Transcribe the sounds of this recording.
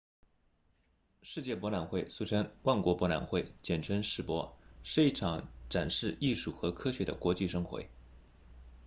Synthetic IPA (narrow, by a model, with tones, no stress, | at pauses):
ʂɻ̩˥˧t͡ɕjɛ˥˩pwɔ˧˥la˨˩nxwe˥˩ɪsu˥˩ʈ͡ʂʰɤ˥ŋwa˥˩nkwɔ˧˥pwɔ˧˥la̰˨˩nxwe˥˩ɪt͡ɕjɛ˨˩nʈ͡ʂʰə˧˥ŋʂɻ̩˨˥˩pwɔ̰˧˥ʂɻ̩˥˧i˥˩ʈ͡ʂʰɑ˧˥ŋʈ͡ʂa˨˩nʂɻ̩˥˧i˥˧ʂu˥˩xɤ˧˥kʰɤ˥ɕɥɛ˧˥d̪ə̰˧kwɔ˧˥t͡ɕi˥˧ʂɤ˥ŋxwḛ˧˥ɪ